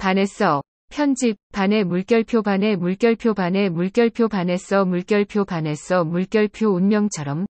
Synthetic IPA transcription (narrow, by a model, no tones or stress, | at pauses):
pane̞s͈ʰʌ | pʰjʌnd͡ʑip̚pane̞muɭk͈jʌɭpʰjobane̞muɭk͈jʌɭpʰjobane̞muɭk͈jʌɭpʰjobane̞s͈ʰʌmuɭk͈jʌɭpʰjopane̞s͈ʰʌmuɭk͈jʌɭpʰjounmjʌŋt͡ɕʰʌɾʌm